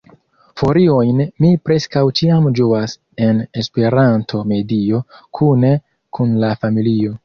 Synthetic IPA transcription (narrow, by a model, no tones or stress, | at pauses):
fo̞ɾio̞jnmipɾe̞skawt͡ʃiamd͡ʒuas | e̞ne̞spe̞ɾantʰo̞me̞dio̞kʰune̞ | kunlafamilio̞